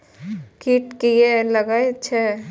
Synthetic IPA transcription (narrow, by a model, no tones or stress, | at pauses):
kiːʈkeelɐɡaetːʃʰɛ